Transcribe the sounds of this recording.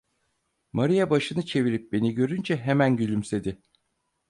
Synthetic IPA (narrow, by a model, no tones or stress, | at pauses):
maɾijabaʃɯnɯt͡ʃʰe̞viɾip̚be̞niɟø̞ɾynd͡ʒɛɦemænɟylʲymse̞d̪ɪ